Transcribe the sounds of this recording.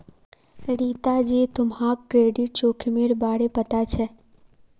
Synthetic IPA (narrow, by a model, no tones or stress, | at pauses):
ɾiːt̪ad͡ʒit̪ʊmɦãkkɾeːɖiʈ̚t͡ʃoːkʰmeɽbaːɽepət̪at͡ʃʰɛ